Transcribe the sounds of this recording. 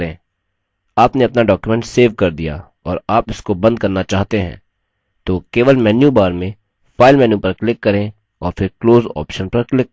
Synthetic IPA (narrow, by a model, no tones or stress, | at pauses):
ẽː | aːpneɐpnaɖɔːkjumɛ̃ɳʈseːʋkɐɾd̪ija̰ | ɔːɾaːpɪskobɐ̃nd̪̚kɐɾnat͡ʃaːɦt̪eɦɛ̰̃ː | t̪oːkeːʋəlmɛːnjubaːɾmẽ | faːɪlmɛːnjupɐɾklɪkːɐɾẽ | ɔːɾfɪɾkloːzɔ̰ːpʃənpɐɾklɪk